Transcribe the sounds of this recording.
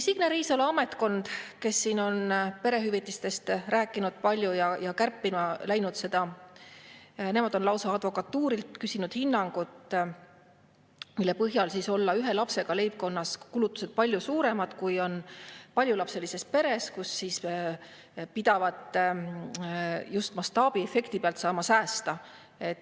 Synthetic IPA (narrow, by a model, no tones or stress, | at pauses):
siɡ̥neɾiːsɑlɑme̞t̪ˑko̞nd̪̥ke̞sːiːno̞npe̞ɾe̞ɦyvit̪ːˑist̪e̞st̪ræːkːˑinud̪̥̚pɑlʲjujɑjɑkærpːimɑlæjnud̪se̞d̪̥ɑ | ne̞mɑd̪̥o̞nlɑwsɑɑd̪vo̞kɑt̪ːuːɾilt̪kysinud̪̥hinːɑŋɡ̥ut̪ | milːe̞pɤɦjɑlsiso̞lːɑyɦe̞lɑpse̞ɡ̥ɑle̞jb̚ko̞nːɑskulut̪ːˑu̥sed̪̚pɑlʲjusuːɾe̞mɑd̪̥kujo̞npɑlʲjulɑpse̞lise̞spe̞ɾe̞skusːiːs | pid̪̥ɑvɑd̪̥ | just̪mɑst̪ɑːb̥iefe̞kt̪ipeɑlt̪sɑːmɑsæːst̪ɑ | e̞t̪ːˑ